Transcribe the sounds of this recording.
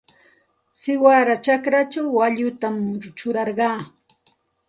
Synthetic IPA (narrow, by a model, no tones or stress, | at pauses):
sɪwaɾat͡ʃakɾat͡ʃawːaʎʊt̪amt͡ʃʊɾɑɾɢɑː